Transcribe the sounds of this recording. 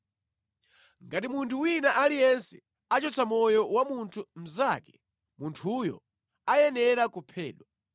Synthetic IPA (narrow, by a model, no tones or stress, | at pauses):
ŋɡatimuntʰuwinaʔalijɛnsɛ | at͡ʃɔt͡sʰamɔjɔwamuntʰum̩zakɛ̥ | muntʰujɔ̰ | ajɛnɛɾakupʰɛ̰ːɗwa